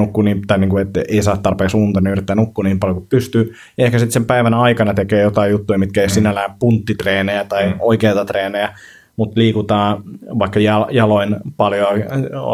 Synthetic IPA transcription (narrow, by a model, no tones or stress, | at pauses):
ukːuːniːmt̪ɑniːŋkuet̪eisɑːt̪ɑrpeːksuːnt̪ɑnyrit̪ːæːnukːuːniːmpɑljokutpyst̪yː | jɑehkæsit̪sempæiʋænɑikɑnɑt̪ekeːjot̪ɑijut̪ːuimit̪̚kæeisinːælæːppunt̪ːit̪reːnejæt̪ɑioikeːt̪ɑt̪reːnejæ | mut̪liːkut̪ɑːʋɑikːɑjɑjɑloinpɑljoɑ̰